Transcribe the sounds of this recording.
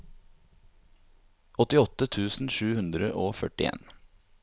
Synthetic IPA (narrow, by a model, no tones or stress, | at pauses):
ɔt̪ɪɔt̪ət̪ʰʉːsn̩ʃʉːhʉnd̪ɾəʔoːfœʈɪḛːn